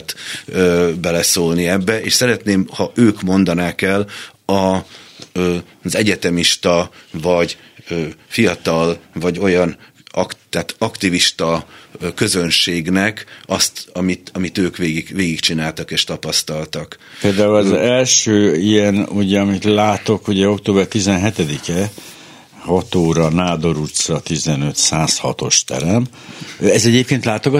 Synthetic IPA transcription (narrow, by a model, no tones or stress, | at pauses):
t̪øbɛlɛsoːlniɛbːɛʔeːʃsɛɾɛt̪neːmhɒʔøːkmo̞nd̪ɒnaːkɛlɒ | zɛɟɛt̪ɛmiʃt̪ɒvɒɟ | øːfijɒt̪ɒlvɒɟo̞jɒn | ɒkt̪aːt̪ɒkt̪iviʃt̪ɒkø̞zø̞nʃeːɡnɛkɒst̪ɒmit̪ɒmit̪øːkʋeːɡiɡveːɡikt͡ʃinaːlt̪ɒkeːʃt̪ɒpɒst̪ɒlt̪ɒk | peːld̪aːulɒzɛlʃøːijɛnuɟɛɒmit̪laːt̪o̞kuɟɛo̞kt̪oːbɛrt̪izɛnɦɛt̪ɛd̪ikɛ | hɒt̪oːɾɒnaːd̪o̞ɾut̪sɒt̪izɛnøt̪saːshɒ̰t̪o̞̰ʃt̪ɛ̰ɾɛm | ɛzɛɟeːp̚keːnt̪laːt̪o̞ɡɒ